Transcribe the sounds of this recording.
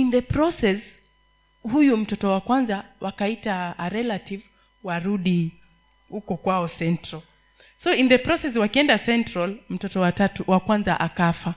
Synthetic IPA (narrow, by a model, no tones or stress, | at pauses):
inðɛpɾɔsɛs | hujum̩tɔtɔwakwanzawakaitaːɾɛlativ | waɾuɗi | hukɔkwaɔsɛntɾal | sɔinðɛpɾɔsɛs̬wakiɛndasɛntɾalm̩tɔtɔwatatuwakwanza̰ʔakafa